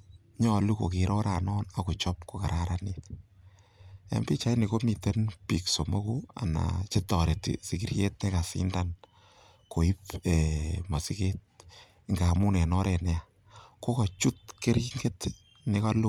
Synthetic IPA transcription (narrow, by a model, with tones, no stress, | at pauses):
ɲɔ˦˨lu˦ko̰˨ki˨ɾɔ˦ɾa˨nɔː˦na˨kʊ˨t͡ʃɔ˦p̚ko˨ka˨ɾa˦ɾa˨nit | a̰˨˦mbi˦t͡ʃa˦jni˨ko˦mi˨te˦npi˨kso˨mo˦kua̰˨na̰˨t͡ʃe˦tɔ˨ɾe˨tḭ˨si˨ki˨rje˦t̚nɪ˦ka˨sḭ˦ndan | ko˨i˦pema˨si˦ke˦t̚ | ŋɡa˨mu˦nɛ˨nɔ˦ɾɛ˨nɛ˦a˨ | ko˦ka˨t͡ʃu˦t̚ke˦ɾi˦ŋɡe˦t | nɪ˦ka˦lu˦